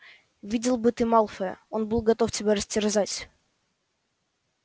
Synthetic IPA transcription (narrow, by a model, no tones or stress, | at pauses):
vʲidʲɪlˠbɨt̪ɨmalˠfəə̰onbɨlˠɡɐt̪o̞ftʲɪbʲaɾəsʲtʲɪrzatʲ